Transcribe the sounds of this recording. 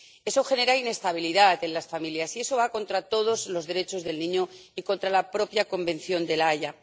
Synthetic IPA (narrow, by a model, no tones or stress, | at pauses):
e̞so̞xe̞ne̞ɾaine̞st̪aβ̞iliðat̪e̞nlasfamiljasie̞so̞βako̞nt̪ɾat̪o̞ð̞o̞zlo̞zðe̞ɾe̞t͡ʃo̞zðe̞lnĩɲoiko̞nt̪ɾalapɾo̞pjako̞mbẽ̞n̟θjo̞nd̪e̞laʝa